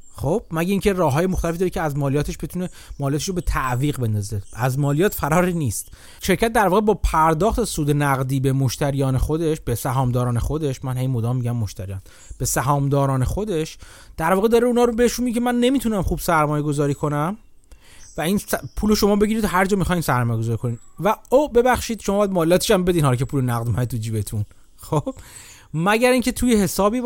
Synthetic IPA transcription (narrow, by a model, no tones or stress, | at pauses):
xob̥̚mæɟeiːŋcʰe̞rɒːɦɒːjemo̞xt̪ælefid̪ɒːɾecʰeæzmɒːlijɒːt̪ʰe̞ʃb̥e̞t̪ʰuːne̞ | mɒːlijɒːt̪eʃɾobe̞t̪ʰæʔviːɣbe̞nd̪ɒːze̞æzmɒːlijɒːt̪fæɾɒːɾiːniːst̪ | ʃe̞ɾcʰæt̪̚d̪æɾvɒːɣebɒːpʰæɾd̪ɒːχt̪esuːd̪e̞næɣd̪iːbe̞moʃt̪æɾijɒːnexo̞d̪e̞ʃb̥e̞sæɦɒːmd̪ɒːɾɒːnexo̞d̪e̞ʃmænhejmod̪ɒːmːiːɟæmːoʃt̪æɾijɒːn | b̥e̞sæɦɒːmd̪ɒːɾɒːne̞xo̞d̪e̞ʃ | d̪̥æɾvɒːɣe̞d̪ɒːɾeunɒːɾobeheʃunmiecʰemænːe̞miːt̪ʰunæmχuːbsæɾmɒːje̞ɡo̞zɒːɾiːkʰo̞næm | væinspʰuːlo̞ʃo̞mɒːbe̞ɟiɾid̪ɦæɾd͡ʒɒːmixɒːjnsæɾmɒːjeɡo̞zɒːɾiːkʰo̞niːnvæobe̞bæxʃiːd̪̥ʃomɒːbɒjæd̪mɒːlːæːt̪ʰe̥ʃæmbe̞d̪inhɒlːkʰe̞puːlonæɣd̪mæt̪ud͡ʒiːbe̞t̪ʰun | xob̥ | mæɟæɾiːŋcʲʰe̞t̪ʰuːje̞ɦe̞sɒːbiː